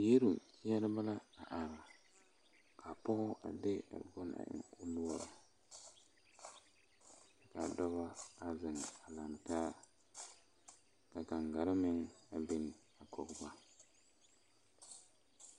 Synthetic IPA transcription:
je˦ɾu˨ki˦ja˦ɾɪ˦ba˦la˦a˨ʔa˨ɾa˨ | kʰa˨pɔ˦ɣʊ˦ʔa̰˨dɪ˦a̰˨ɡʊ˦na̰˨ʔɪ̰˨ŋʊ˦lu˦wa˦a˨˦ | ka˨dɔ˦ba˦a˨zɪ˨ŋa˨la˨n˨taː˦ | ka˨ka˨ŋɡa˨ɾɪ˦mɪ˦ŋa˨bɪ˦n˨ | a˨kʰɔ˨kba˦

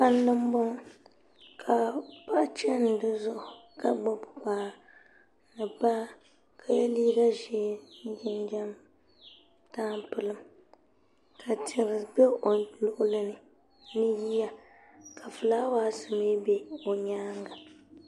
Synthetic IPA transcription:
pa˦lnɨ˦m˦bo˦ŋ | kʰa˨pa˦ʔt͡ʃɛ˦n̩˨dɨ˦zʊ˦ʔʊ˨ | ka˦ɡ͡bo˦bʊ˨k͡paː˨˦ | nɨ˨ba˦ | kʰa˨jɛ˦liː˦ɡa˦ʒe˦jɪ˦nd͡ʒɛ˦m | taː˦mpɨ˨lɨ˦m | kʰa˨tʰɪ˨ɾɨ˨bɛ˦o˨lʊ˨ʔʊ˦lɨ˦nɨ˨ | nɨ˦ji˦ja˨ | ka˨fɨ˨laː˦waː˦sɨ˨me˦be˦o˨ɲaː˦ŋɡa˨

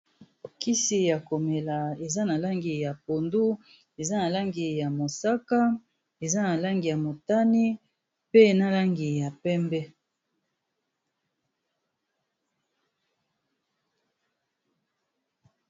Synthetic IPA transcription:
ki˦si˨ja˨ko˨me˨la˨e˨za˦na˨la˦ŋɡi˨ja˨p̚o˨ndu˦ | e˨za˦na˨la˦ŋɡi˨ja˨mo˨sa˦ka˦ | e˨za˦na˨la˦ŋɡi˨ja˨mo˨ta˦ni˦ | pe˦˨na˦la˦ŋɡi˨ja˨pɛ˦mbɛ˦

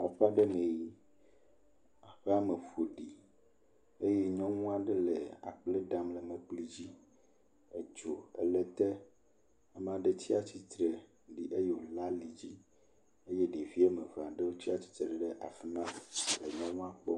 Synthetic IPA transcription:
ɔ˨ɸa˦ɖe˦mẽ˨ji˦ | a˨ɸe˦a˦me˨fo˨ɖi˨ | e˦je˦ɲɔ̃˦wũ˦a˦˨ɖe˦le˨a̰˨k͡ple˦ɖa˦mle˨me˨k͡pli˦d͡ʑi˦ | e˦d͡ʒo˨e˦le˦t̪ɛ˦ | a˦m˨ã˨ɖe˦t͡ɕi˦a˨t͡ɕi˦t̪ɾe˨ | ɖi˨ʔe˦je˦wo˨la˦li˨d͡ʑi˦ | e˦je˦ɖe˨vi˦e˦me˨va˨ɖe˦wo˦t̪i˦a˦t͡ɕi̥˦t̪ɾe˨ɖe˨ɖe˦ʔa̰˨fi˦nã˦le˨ɲɔ̃˦wɔ̃˦ã˦k͡pɔ˦

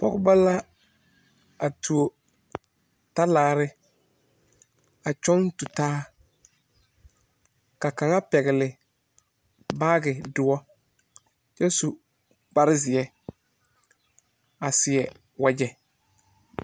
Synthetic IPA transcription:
pɔ˦ɡʊ˦ba˦la˦ | a˨tʰu˨o˨ | ta˦laː˨ɾɪ˦ | a˨t͡ʃɔ˦ntu˨taː˦ | ka˨ka˨ŋa˦pɛ˨ɣɪ˨lɪ˨ | baː˦ɡɪ˨dʊ˨ɔ˦ | t͡ʃɛ˦su˨ | k͡pa˦ɾɪ˦zɪ˨ɛ˦ | a˨sɪ˨ɛ˨ | wa˦d͡ʒɛ˦

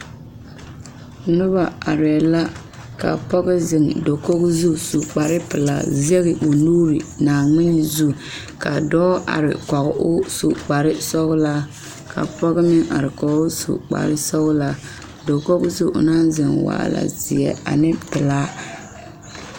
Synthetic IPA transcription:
nʊ˦ba˨a˨ɾɛ˨la˦ | ka̰˨pɔ˦ɣɪ˦zɪ˨ŋdo˨ko˦ɣzu˦su˨k͡pa˨ɾɪ˦pɪ˨la̰˦˨zɛ˦ɣɪ˨bo˨nuː˦ɾi˨naː˨ŋɪ˦n˨zu˦˨ | ka˨dɔː˦ʔa̰˨ɾɪ̰˨kɔ˨ɣʊ˨ʔʊ˦su˨k͡pa˨ɾɪ˦sɔ˦ɣʊ˦la˦ | kʰa̰˨pɔ˦ɣɪ˦mɪ˦ŋa˨ɾɪ˨kɔ˨ɣʊ˦sṵ˨k͡pa̰˨ɾɪ˦sɔ˦ɣʊ˦la˦ | do˨ko˦ɣzu˦˨ʔʊ̰˨naː˦zɪ˨ŋwa̰ː˨la̰˨zɪ˨ɛ̰˨a̰˨nɪ˦pɪ˨la˦

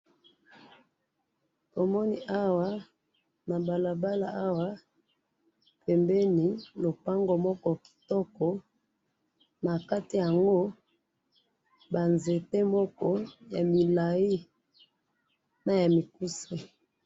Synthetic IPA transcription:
to˨mɔ˦ni˦ʔa˦wa˦ | na˨ba˨la˨ba˦la˨a˦wa˦ | pɛ˨mbɛ˦ni˨lo˨pa˦ŋɡo˨mɔ˦kɔ˦ki̥˨tɔ˦kɔ˨ | na˨ka˦ti˨ja˨ŋɡo˦ | ba˨nze˨te˦mɔ˦kɔ˦ja˨mi˨la˨i˦ | na˨ja˨mi˨ku˦se˦

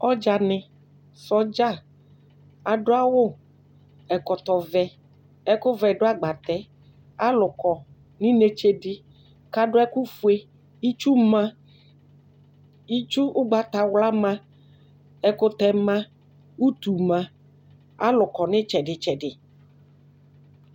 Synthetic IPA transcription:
ɔ˦d͡ʒa˨nɪ̃˨ | sɔ˦d͡ʒa˦˨ | a˨ɖʊ˦a˦wʊ˦ | ɛ˨kɔ˨t̪ɔ˨vɛ˨ | ɛ˦kʊ˦vɛ˨ɖʊ˦a˦ɡ͡ba˨t̪ɛ˨˦ | a˦lʊ˨kɔ˨ | nĩ˦ne˨t͡ʃe˦ɖɪ˦ | ka˦ɖʊ˦ɛ˦ku˦fu˦e˦ | i˦t͡ʃu˦mã˦ | i˦t͡ʃu˦ʔʊ˦ɡ͡ba˨t̪a˨wla˦mã˦ | ɛ˦kʊ˦t̪ɛ˨mã˦ | u˦t̪u˨mã˦ | a̰˦lʊ˨kɔ˨nɪ̃˦t͡ʃɛ˨ɖɪ˨t͡ʃɛ˨ɖɪ˨

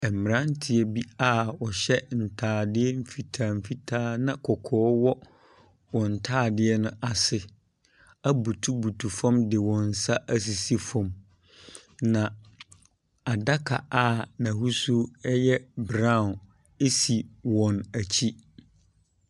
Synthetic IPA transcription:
ɛ˨mɪ̃˨ɾã˦ntʰɪ˨ɛ˨bi˦a˦˨wɔ˨ɕɛ˦n̩˨tʰaː˨˦˨dɪ˦ɛ˦m̩˦fi˨tʰaː˨m̩˨fi˦tʰaː˦nã˦kʰɔ˨kʰɔː˨˦wɔ˦ | wɔ̃˨n̩˨tʰaː˦˨dɪ˦ɛ˦nʊ̃˦a˨sɪ˦ | a˦bu˨tʰu˦bu˨tʰu˨fã˦mdɪ˨wɔ̃˨n̩˨sa˦ʔæ˦s̬i˨si˦fɔ̃˨m | nã˨ | a˨da˦kʰa˨a˦˨nã˨hu˦su˦ɛ˦jɛ˦bɾã˦˨n | e˦si˨wɔ̃˨næ˨t͡ɕʰi˦

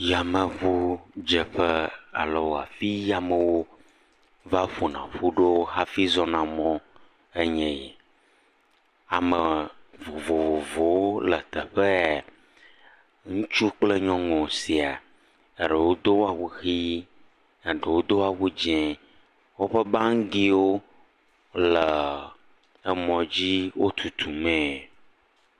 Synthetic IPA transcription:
ja˨mə̃˨βu˦d͡ʒɛ˨ɸɛ˦a̰˨lə˨wo˨a̰˨fi˦ja˨mə˨wo˦ | va˦ɸu˨nã̰˨ɸu˦ɖo˦ha˦fi˦zɔ˦nã˨mɔ̃˦ | e˦ɲɛ̃˨jɛ˨ | a˨mɛ˨vo˨vo˨vo˨vo˨wo˦lə˨t̪ɛ˨ɸə˦ | ŋũ˦t͡ʃu˦k͡plə˦ɲɔ̃˦ŋɔ̃˨si˨a˨ | e˨ɖə˨wo˦d̪o˦wo˦a˨wu˦xi˦ | ə˨ɖə˨wo˦d̪o˦a˨wu˦d͡ʒɛ̃˦ | wo˦ɸə˦ba˦ŋ̩˦ɡi˦wo˦ | lə˨ | ə˦mɔ̃˨d͡ʑi˦wo˦t̪ʰu˨t̪ʰu˨mɛ̃˦

